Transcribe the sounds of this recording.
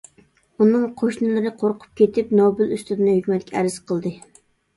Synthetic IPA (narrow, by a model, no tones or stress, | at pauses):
unɨŋqʰoʃnɨlˠɨɾɨqʰoɾqʰʊ̥p̚kʲet̪ʰɪpnobɪlyst̪ɪd̪ɪnɪhykʲmɛt̪ʲkʲæɾɪz̥qʰəlˠd̪ɨ